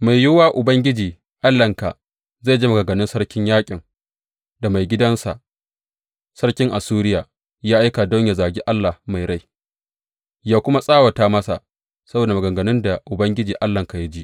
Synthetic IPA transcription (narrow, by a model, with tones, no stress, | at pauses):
ma˨jjʊ˦waː˦ʔʊ˨bɐ˦ŋɡʲɪ˦d͡ʒiː˨ | ʔa˦lːɐ˨ŋka̰˨ | za˦˨d͡ʒi˦mɐ˨ɡɐ˨ŋɡɐ˨nɪ˦nsɐ˦ɽkʲɪ˦ɲjaː˦kʲʼɪ˨ŋ | da˨ma˨jɡʲɪ˦dɐ˦nsa̰˨ʔ | sɐ˦ɽkʲɪ˦ŋʔa˨suː˦ɾɪ˦jaː˨ | jaː˦ʔa˦jka˨dɔ˦ɲja˨zaː˨ɡʲi˦ʔa˦lːa˨hma˨jɾa˦j | jaː˦kʷʊ˦ma˦sʼaː˦wa˨taː˦mɐ˦sa̰˨ | sɐ˦boː˨da˨mɐ˨ɡɐ˨ɡɐ˨nɪ˦nda˨ʔʊ˨bɐ˦ŋɡʲɪ˦d͡ʒiː˨ʔa˦lːɐ˨ŋka˨ja˦d͡ʒi˦ʔ